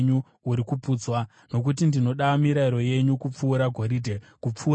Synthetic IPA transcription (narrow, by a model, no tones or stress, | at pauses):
ɲu | uɾikupuːd͡zwa | no̞k̬utindino̞ɗamiɾaiɾo̞je̞ɲukup͡fuːɾaɡʱo̞ɾidʱe | kup͡fuː